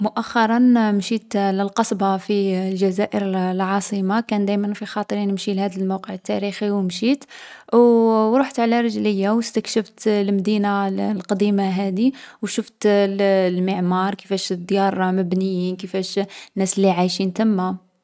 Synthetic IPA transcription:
mʊʔæxːɑɾˤɑnmʃit̪ləlqɑsˤbɑfilʒæzæʔəɾlʕɑsˤimakænd̪æjmənfixɑt̪ˤɾinəmʃilhæd̪əlmawqəʕət̪ːæɾixiwmʃit̪ | ɾˤuħt̪ʕlæɾˤəʒləjːawəst̪əkʃəft̪lmd̪inalqɑd̪imaɦæd̪iwʃuft̪ | lməʕmɑɾˤkəfæʃd̪ˤːjɑɾˤməbnəjːinkəfæʃnːæslːiʕajʃint̪əmːa

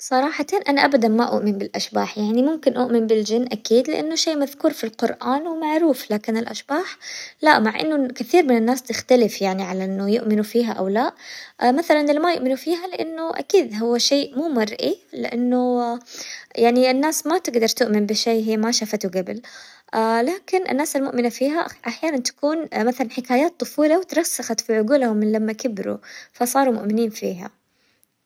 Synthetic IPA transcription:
sˤɑɾˤɑːħɑt̪anʔanaʔabad̪anmaʔʊ̰ʔmɪnbɪlʔaʃbaːħjaʕnimʊmkɪnʔʊʔmɪmbɪld͡ʒɪnːʔakiːd̪lɪ̰ʔanːʊʃeːʔmaðkuːɾfilqʊɾʔaːnwɪmaʕɾuːflaːkɪnɪlʔaʃbaːħlaʔmaʕʔɪ̰nːʊkaθiːɾmɪnɪnːaːst̪ɪxt̪alɪfjaʕniʕalaʔɪnːʊjʊʔmɪnufiːɦaʔa̰wlaːʔmaθalanʔɪlmajʊʔmɪnufiːɦalɪʔanːʊʔa̰kiːd̪ɦʊwːaʃeːʔmuːmɑrˤʔilɪ̰ʔanːʊ | jaʕniʔɪnːaːsmat̪ɪɡd̪ɑɾˤt̪ʊʔmɪnbɪʃeːɦiːmaʃafat̪ʊɡabɪl | alaːkɪnʔɪ̰nːaːsɪlmʊ̰ʔmɪnafiːɦaʔaħjaːnant̪ḁkuːnmaθalanħɪkaːjaːt̪ˤːʊfuːlawɪt̪ɾˤɑsːaxat̪fiʕʊɡuːlhʊmːɪnlamːakɪbɾṵfasˤɑːɾˤumʊ̰ʔmɪniːnfḭːɦa̰

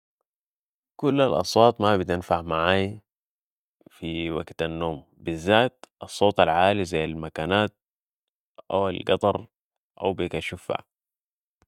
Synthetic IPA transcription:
kulːalʔɑ̰sˤwɑːt̪ˤmabit̪ɪnfaʕmaʕaːj | fiwaɡt̪anːoːm | bizːaːt̪̚ʔɑsˤːoːt̪ˤalʕaːlizajːalmakaːnaːt̪̚ | ʔa̰walɡɑt̪ˤɑɾˤ | ʔa̰wbikaʃufha̰

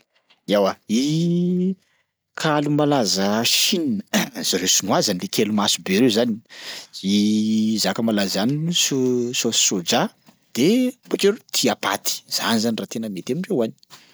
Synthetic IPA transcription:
iawai | kʰalumalazəʃininəz̥aɾesunuazanlekelumasubeɾewzaniizakəmalazaninususosod͡ʒa | d̪̥ebokeɾut̪ʰiapa̰t̪i̥z̥a̰nizanirat̪enəmet̪emiɖ͡ʐewani̥

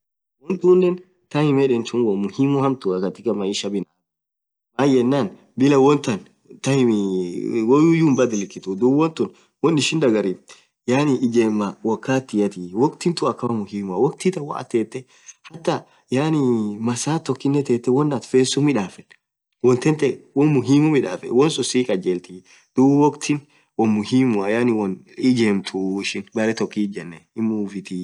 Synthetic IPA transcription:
wɔnt̪uːnːɛn | t̪ɐhɪmɛᶑɛnt͡ʃʊnwɔmʊhimːʊhɐmt̪ʊɐkɐt̪ːɪkɐmɐɪʃɐbɪna | maːjɛnːaːn | bɪlɐwɔnt̪ɐn | t̪ɐhɪm | wɔjujuːmbɐd̪ɪlɪkːɪt̪ʊd̪uwɔnt̪ʊn | wɔnɪʃɪnd̪ɐɡɐɾi | jaːnɪɪd͡ʒeːmːawɔkːaːt̪ːɪjɐt̪iwɔkt̪ɪnt̪ʊɐkːɐmɐmʊhimʊɐwɔk̚t̪ɪt̪ɐwa̰ɐ̰t̪eːt̪ːɛ | hɐt̪ːɐ | jaːnimɐsaːt̪ːɔkːɪnːɛt̪eːt̪ːɛwɔnːat̪feːsːʊmɪᶑaːfɛ | wɔnt̪ɛnt̪ɛwɔmʊɦiːmʊmɪᶑa̰ːfɛ̰wɔnsʼʊsiːkʼɐd͡ʒeːlt̪iː | d̪̥ubwɔkt̪ʰɪn | wɔmʊɦiːmʊɐjaːnɪwɔn | ɪd͡ʒeːmt̪ʰʊɪʃɪnbɐɾɛt̪ɔkːid͡ʒɛnːɛɪmuːfɪt̪i

